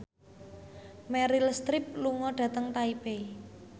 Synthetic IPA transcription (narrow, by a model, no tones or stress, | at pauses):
mɛɾilst̪ɾɪp̚luŋɔɖ̥ä̤t̪əŋt̪aipe